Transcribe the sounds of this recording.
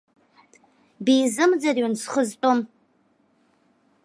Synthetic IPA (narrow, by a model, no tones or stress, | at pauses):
biːzɨmd͡zarɥansχəztʼom